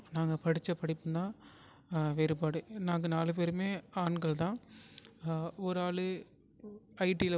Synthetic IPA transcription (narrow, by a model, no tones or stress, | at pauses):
naːŋɡɐpɐɽɪt͡ʃːɐpɐɽɪpːɯd̪ãː | ʋeːɾɯpaːɽɯnaːŋɡɐnaːlɯp̬eːɾɯmeːaːɳɡɐɭt̪ãː | ɔɾɯaːɭɯ | ɐɪʈiɪl